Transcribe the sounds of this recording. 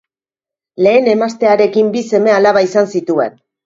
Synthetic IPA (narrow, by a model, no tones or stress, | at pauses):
le̞ːne̞mast̪e̞aɾe̞kimbise̞me̞alaβaisansit̪ue̞̰n